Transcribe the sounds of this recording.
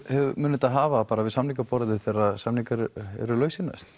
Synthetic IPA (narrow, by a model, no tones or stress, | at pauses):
hɛvmʏːnɪt̪aðɦaːvapaːɾavɪðsamnikapɔɾɪðɪθɛɾaðsamnikaɾɛ̰ɾʏlœːɥsɪna̰st̪